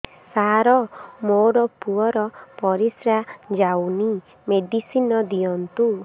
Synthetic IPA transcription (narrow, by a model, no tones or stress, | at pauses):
saɾɔmoɾɔpuɔɾɔpɔɾisɾad͡ʒawni | meɖisinɔd̪ijɔnt̪u